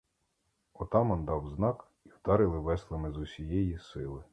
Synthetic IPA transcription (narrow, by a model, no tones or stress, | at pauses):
ɔt̪ɑmɔnd̪ɑwznɑk | iwd̪ɑɾɪlˠɪʋɛslˠɪmɪzusʲijɛjisɪlˠɪ